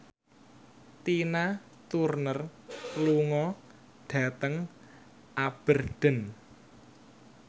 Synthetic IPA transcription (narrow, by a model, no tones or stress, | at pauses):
t̪ina | t̪urnərluŋɔ | ɖ̥ä̤t̪əŋ | ʔab̥ə̤rɖ̥ə̤n